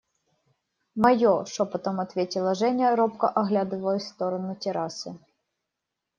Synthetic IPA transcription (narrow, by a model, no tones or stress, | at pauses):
mɐjɔʂɔpɐt̪omɐt̪vʲetʲɪlˠɐʐɛnʲɐɾɔpkɐʔɐɣlʲad̪ɨvɐlˠəsʲst̪ɔɾɐnʊtʲɪɾasɨ